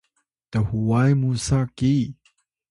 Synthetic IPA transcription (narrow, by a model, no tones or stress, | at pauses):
təhuwajmusaki